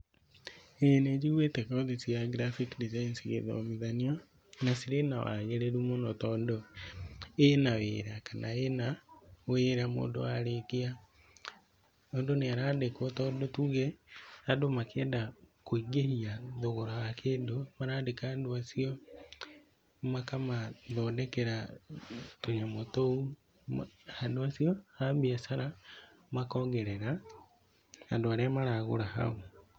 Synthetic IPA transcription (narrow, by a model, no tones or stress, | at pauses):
ened͡ʒiwetɛkɔðisiaɡɾafikdizainsiɣḛðɔ̰miðania | nasiɾenawa̰ɣeɾeɾumonɔtɔndɔ | enawḛɾakanʔaenaweːɾamo̰ːndo̰aɾekea | ɔːndoneaɾadekwɔtɔːndɔtuɣɛadomakʰɛːndakoiɡehiaðoɣoɾawakeːndomaɾaːdekaandoasiɔ | makamaðɔːndɛkɛɾa | toɲamotou | andoasiɔhabiasaɾa | makɔːŋɡɛɾɛɾa | andoaɾɛamaɾaːɣo̰ɾaha̰o